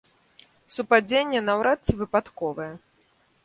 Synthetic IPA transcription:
supad͡zʲenʲːɛnawɾat̪t͡sʲːivɨpat̪kɔvɨjɛ

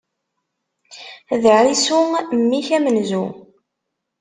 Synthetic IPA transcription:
ðəʕɾisʊmːiçæmənzu

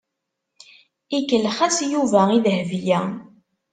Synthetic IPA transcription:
ikəlχæsjuvæiðəhvjæ

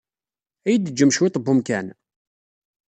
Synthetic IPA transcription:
æjəd̪əd͡ʒːəmʃwɪt̪ˤbːumkæn

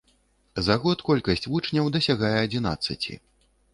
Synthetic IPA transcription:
zaɣɔt̪kɔlʲkɐsʲt͡sʲvut͡ʂnʲɐwd̪ɐsʲaɣajɛɐd͡zʲina̰t̪sɐt͡sʲḭ

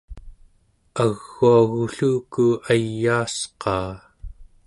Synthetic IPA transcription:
aɣːuaɣuɬuːkuajːaːsqɑː

